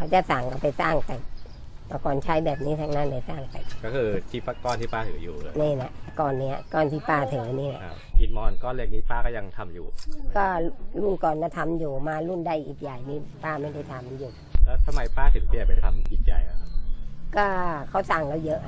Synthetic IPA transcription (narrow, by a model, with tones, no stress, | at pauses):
kʰa˦˥˩wt͡ɕa˨˩sa˨˩ŋka˧˩pa˨jsaː˥˩ŋt̪ɛː˨˩ | pa˧˩kɔː˧nt͡ɕʰa˦˥jbɛː˨˩p̚niː˦˥t̪ʰa˦˧˥ŋnaː˧˥˩nda˧˩jsaː˥˩ŋpa˨˩jkɔː˥˩kʰɯː˧t̪ʰiː˧˩paː˧kɔː˧˨nt̪ʰiː˥˩paː˥˩t̪ʰɯ˨˩˦juː˨˩˧niː˧˩la˧˩ʔkɔː˨nːi˦˥ɐ̰˧kɔː˧˩nt̪ʰiː˧˥˩paː˧˩t̪ʰɯ˨˩˦ŋa˧˦niː˧˥˩la̰˧ | ʔi˨˩t̪̚mɔː˧nkɔː˧˩nli˧˩əŋ̚niː˦˥˩paː˧˩kɔː˥˩ja˧ŋt̪ʰa˧mjṵː˨˩kɔː˥˩lu˥˩˨nkɔː˨˩nːa˧˩t̪ʰa˧mjuː˨˩maː˧lu˥˨nda˧˩jʔiː˨˩k̚ja˨˩jniː˦˥˩paː˧˩ma˥˩jda˥˩jt̪ʰa˧mji˧˩ju˨˩ | ʔəː˧˩t̪ʰa˧mːa˧˦jpaː˥˩t̪ʰɯ˨˦t̪ʰiː˦˧˩pa˧˩t̪ʰa˧mʔiː˨˩k̚ja̰˨˩ja̰˧˦kɔː˥˩kʰa˦˥˩wsa˨˩ŋlɛː˧˩wjɤ˦˥ʔ